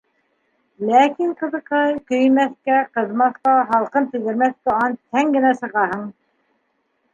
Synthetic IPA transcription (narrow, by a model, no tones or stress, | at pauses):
lækiŋqɤ̆ðɤ̆qɑjkɵ̆jmæθkæqɤ̆ðmɑθqɑɦɑlˠqɤnt̪ɵ̆jd̪ɘ̆ɾmæθt̪oɑnt̪ʰæŋɡɘ̆næsɤ̆ʁɑɦɤɴ